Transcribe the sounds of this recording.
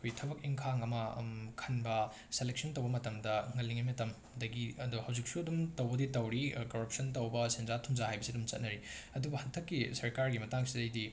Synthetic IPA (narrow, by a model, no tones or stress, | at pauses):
kʰojtʰɐbɐk̚iŋkʰaŋɐmɐkʰɐnbɐ | selek̚sɐntɐwbɐmɐtɐmdɐŋɐlːiŋɐmɐtɐm | dɐɡiɐduhɐwzik̚suɐdumtɐwbɐditɐwɾikoɾɐp̚sɐnt̬ɐwbɐsenzatʰuŋzaɦajbɐsiɐdumt͡ʃɐ̰t̚nɐɾiɐdubɐhɐntʰɐkːisɐɾkaɾɡimɐtaŋsidɐjdi